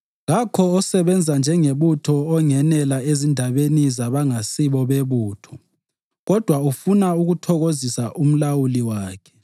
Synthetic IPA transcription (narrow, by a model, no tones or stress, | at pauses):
ɣakʰɔɔsɛβɛnd͡zʱand͡ʒʱɛŋeβutʰɔːŋɛnɛlaezindʱaβenizaβaŋasiβɔβeβuːtʰɔ̥ | ɣɔd̥ʱwaufunauɣutʰɔɣozisaʔum̩lawuliwaːkʰɛ̥